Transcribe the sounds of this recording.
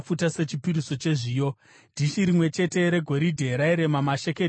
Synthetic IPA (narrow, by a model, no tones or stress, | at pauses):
futase̞t͡ʃipiɾiso̞t͡ʃe̞ʐiːjo̞ | d̥ʱiʃiɾimwe̞t͡ʃe̞te̞ɾe̞ɡʱo̞ɾidʱe̞ɾaiɾe̞mamaʃe̞ke